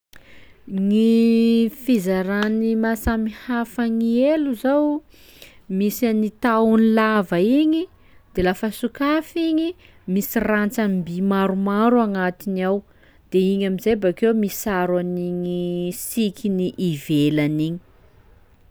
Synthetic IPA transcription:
ŋi | fizaɾanimasamihafaŋieluzaw | misanit̪awunilavaiɲi | d̪̥elafəsukafiɲi | misirant͡sambimaɾumaɾuaŋat̪iniaw | d̪̥eiɲamizejbakewmisaɾwaniɲisikʰʲiniʔivelaniɲi̥

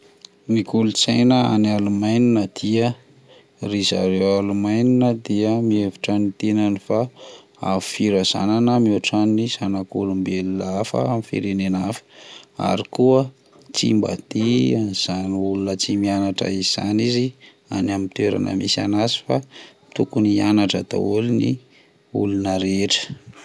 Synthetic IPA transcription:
mikulut͡sajnəa̰nalumajninəd̪̥iə | riza̰ɾewalumajninəd̪iəmievi̥ʈ͡ʂanit̪enanifa | a̰fu̥fiɾaz̥a̰nanəmoaʈ͡ʂaniz̥anakulumbelilafə̰amifḭɾenenafə̥a̰ɾikuə | t͡sḭmba̰t̪iaz̥aniulunət͡simianaʈ͡ʂə̰iz̥anizi | a̰namint̪ueɾa̰nʔə̰misanazi̥fa | t̪ukunianaʈ͡ʂət̪a̰ulinḭ | ulunəɾeʈ͡ʂə̥

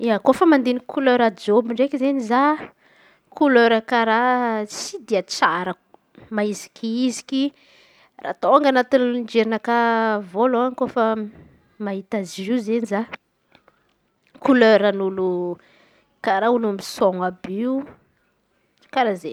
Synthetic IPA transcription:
iakofəmand̪enikʰuløɾad͡ʒobiɳɖ͡ʐekizeniza | kʰuløɾəkaɾat͡sid̪iat͡saɾə | maizi̥kʲʰiizi̥ki | ra̰t̪oaŋɡanat̪innd͡ʒeɾinəkavoloaŋkofə | maɦit̪aziizeniza | kuløɾənulu | kaɾaunumisoŋabiu | kaɾaze

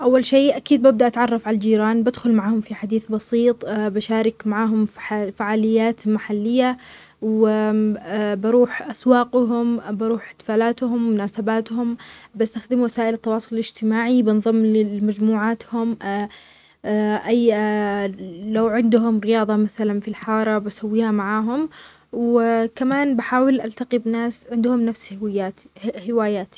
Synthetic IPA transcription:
ʔawːalʃeːʔakiːd̪̚bab̚d̪aʔat̪ʕɑrˤːɑfʕalald͡ʒiːɾaːnbɪd̪xʊlmaʕaːhʊmfiħad̪iːθbɑsiːt̪ˤbaʃaːɾɪkmaʕaːɦʊmfaʕaːlɪjːaːt̪maħalːɪjːa | wɪ | bɪɾuːħʔaswɑːqɦʊmbɑɾuːħḁt̪faːlaːt̪ɦʊmmʊnaːsabaːt̪hʊmbast̪axd̪ɪmwasaːʔɪlɪt̪ːɑwɑːsˤʊlɪlɪd͡ʒt̪ɪmaːʕibɪnðˤɨmːlɪmad͡ʒmuːʕaːt̪hʊm | ʔaj | lawʕɪnd̪ɦʊmɾɪjɑːðˤɑmaθalanfilħɑːɾˤɑbasawːiːhamaʕaːɦʊm | wɪkamaːnbaħaːwɪlʔalt̪aqibɪnaːsʕɪnd̪hʊmnafshaːhɪwaːjaːt̪i̥

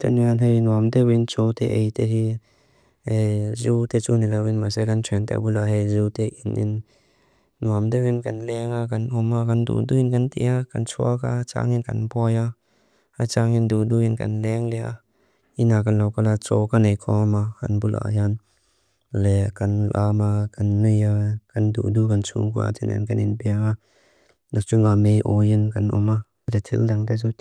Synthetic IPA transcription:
t̪ɛnianɦejnuɐmt̪ɛwint͡sɔt̪ɛʔejt̪ɛɦi | hejzut̪ɛt͡sunilawinmasɛkantʰɛnt̪ɛ̰bulaɦejzut̪ɛʔinʔḭnː | uamt̪ɛwinkanlɛŋakanɔmakandṵduinkɐnt̪ḭakant͡sʰuakat͡ʃa̰ːŋinkɐ̰nbɔja | at͡ʃaːŋinduduinkɐ̰nlɛŋlɛʔa̰ | inak̬ɐnlawkalat͡sɔkanejkʰɔmaka̰nbulʔa̰jan | lɛkɐnʔamakɐnːijakɐndṵdukɐnt͡sʰṵkṵa̰tḭnɛ̰nkɐninpɛaŋa | nat͡ʃʊŋamejʔɔjɪnkɐnʔɔ̰ma | d̪ɛt̪ʰḭldaŋd̪ɛzu

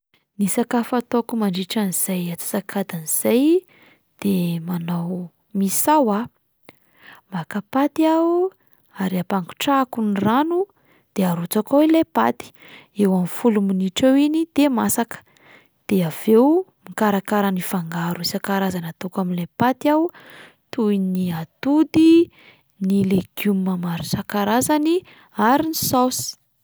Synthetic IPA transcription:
nisakafat̪okumaɳɖ͡ʐiʈ͡ʂaniz̥ajat͡si̥sakʰad̪aniz̥aj | d̪̥emanaw | misawa | makapat̪ia | aɾiapaŋɡu̥ʈ͡ʂakuniranu | d̪̥eaɾut͡sakowilepat̪i̥ewamfuluminiʈ͡ʂewinid̪emasakə̥ | d̪̥eav̥ewmikaɾakaɾanifaŋɡaɾusakaɾazanat̪okaminlapat̪aw | t̪uiniat̪ud̪i | nileɡumːamaɾisakaɾazani | aɾinisasi̥

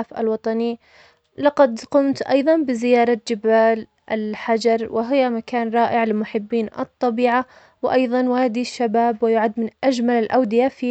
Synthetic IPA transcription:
fʔa̰lwɑt̪ˤɑni | lɑqɑd̪qʊmt̪ʔɑjðˤɑnbɪzɪjɑːɾˤɑd͡ʒɪbaːl | ʔɪlħad͡ʒɑɾˤwɪɦɪjamakaːnɾˤɑːʔɪʕlɪlmʊħɪbːiːnʔɨ̰t̪ˤːɑbiːʕa | wʔɑjðˤɑnwaːd̪iʃːabaːbwɪjʊʕad̪ːmɪnʔad͡ʒmalɪlʔawd̪ɪjafi

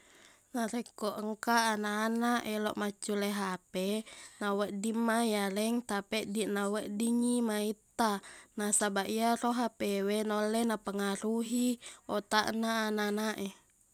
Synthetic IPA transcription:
naɾekːoʔəŋkaːnaːnaʔɛlɔ̰ʔmat͡ʃːuleɦapenawəʔdimːajalɛŋt̪apɛʔdiʔnaweʔdiŋimait̪ːanasabaʔiaroɦapewenolːenapəŋaɾuɦiot̪aʔnaːnanaʔe

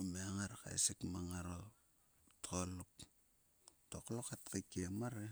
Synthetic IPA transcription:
meŋaɾaka̰esikmaŋaɾo | tʰoluk | toklokatkakemaɾe

